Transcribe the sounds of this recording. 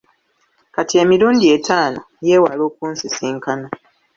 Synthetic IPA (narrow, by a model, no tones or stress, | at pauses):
katie̞ːmiɾuːndie̞tʰaːno | je̞ːwalo̞ːkuːnsisiːŋkana